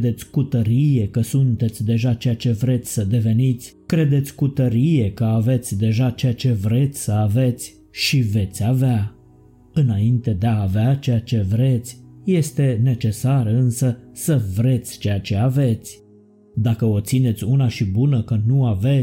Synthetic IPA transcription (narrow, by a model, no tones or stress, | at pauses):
d̪e̞t̪sʲkut̪əɾije̞kəsunt̪e̞t̪sʲd̪e̞ʒat͡ʃejat͡ʃe̞vɾe̞t̪sʲsəd̪e̞ve̞nit̪sʲkɾe̞d̪e̞t̪sʲkut̪əɾije̞kəave̞t̪sʲd̪e̞ʒat͡ʃe̞jat͡ʃe̞vɾe̞t̪sʲsəave̞t̪sʲ | ʃive̞t̪sʲavea | ɨnaint̪e̞d̪e̞aːveat͡ʃe̞jat͡ʃe̞vɾe̞t̪sʲje̞st̪e̞ne̞t͡ʃe̞saɾəɨnsəsəvɾe̞t̪sʲt͡ʃe̞jat͡ʃe̞ave̞t̪sʲ | d̪akəo̞t̪sine̞t̪sʲunaʃibunəkənuave̞